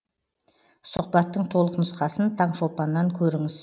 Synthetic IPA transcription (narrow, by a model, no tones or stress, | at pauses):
sʊq̚pɑt̪ːəɴt̪ʰo̞lˠəqnʊsqɑsənt̪ʰɑɴʃo̞pɑnːɑŋkʲʰɵɾɪŋɪz